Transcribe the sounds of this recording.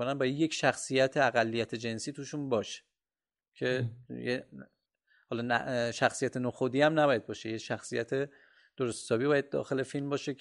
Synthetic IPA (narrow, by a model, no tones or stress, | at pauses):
onænbɒːjæd̪jecʰʃæxsijæt̪ʰeæɣælːijæt̪ʰe̞d͡ʒe̞nsiːt̪uːʃunbɒːʃe̥ | cʰe̞je | hɒlɒːnæ̰ʃæxsijæt̪ʰe̞noːxod̪iːæmnæbɒːjæd̪̚bɒːʃejeʃæxsijæt̪ʰe | d̪̥oɾossɒːbibɒːjæd̪̚d̪ɒ̰ːxe̞le̞filmbɒːʃe